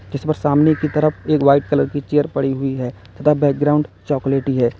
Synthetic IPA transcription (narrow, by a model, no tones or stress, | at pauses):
d͡ʒɪspəɾsaːmnekit̪ɐɾəfʰeːkʋaːɪʈ̚kɐləɾkit͡ʃeːəɾpɐɽiɦʊiɦɛː | t̪ʰət̪ʰabɛːk̚ɡɾaːʊ̃ɳɖt͡ʃɔːkleːʈiɦɛː